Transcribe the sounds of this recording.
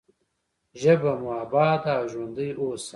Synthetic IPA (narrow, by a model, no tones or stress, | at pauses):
ʒɐbɐmaːbaːd̪aːʒwɐnd̪əjoːs